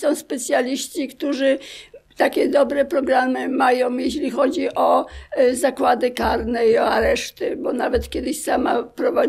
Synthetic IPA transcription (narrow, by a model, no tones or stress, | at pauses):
sɔ̃w̃spɛt̪sʲjalʲiɕt͡ɕikt̪uʐɘt̪akʲɛd̪ɔbɾɛpɾɔɡɾamɘmajɔ̃w̃jeɕ̬lʲixɔd͡ʑiʔɔzakwad̪ɘkaɾnɛiɔaɾɛʂt̪ɘbɔnavɛt̪kʲɛd̪ɘɕsamapɾɔva